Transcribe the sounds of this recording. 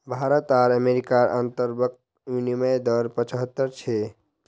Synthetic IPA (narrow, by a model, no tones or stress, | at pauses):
bʱaɾət̪aɾəmeɾikaɾə̰nt̪əɾbək̚t̪ | uniməjd̪əɾpət͡ʃəɦət̪ːəɾt͡ʃʰe